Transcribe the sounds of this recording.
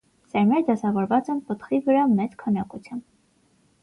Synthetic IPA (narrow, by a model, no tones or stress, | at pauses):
sɛɾmɛɾd̪ɑsɑvɔɾvɑt͡sɛnpət̪χivəɾɑmɛt͡skʰɑnɑkut͡sʰjum